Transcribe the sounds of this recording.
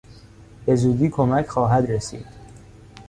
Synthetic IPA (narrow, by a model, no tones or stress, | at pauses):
be̞zuːd̪iːkʰomæcʰxɒːɦæd̪ɾesḭːd̪̥